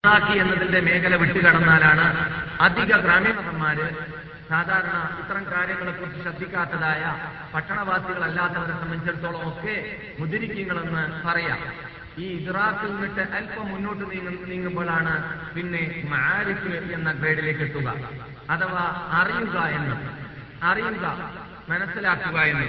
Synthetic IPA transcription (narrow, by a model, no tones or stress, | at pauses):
raːkːienːɐðinde̞me̞ːkɐlɐʋiʈːɨkɐɽɐnːaːlaːɳɨɐd̪ʱiɣɐɡraːmimɐsɐmːaːɾɨ | saːd̪ʱaːɾɐɳɐit̪ːɐrɐmkaːɾjɐŋːɐɭekːurt͡ɕːiɕɐd̪ʱːikʲːaːt̪ːɐðaːjɐ | pɐʈːɐɳɐʋaːt̪ːiɣɐɭɐlːaːt̪ːɐʋɐɾesɐmːɐnit͡ɕːeɽut̪ːo̞ːɭɐmo̞kːe̞ | mud̪iɾikʲːuŋːɐɭe̞nːɨpɐrɐjɐ̰ | iːidraːt̪ːilnːiʈːɨʔɐlpɐmːunːo̞ːʈːɨniːŋːumboːɭaːɳɨpinːe̞mɐʕaːɾifɨenːɐɡreːɖile̞ːkːe̞ʈ̪ːuɣɐ̰ | ɐðɐʋɐɐrijuɣɐe̞nːu | ɐrijuɣɐ | mɐnɐsilaːkːuɣɐe̞nːu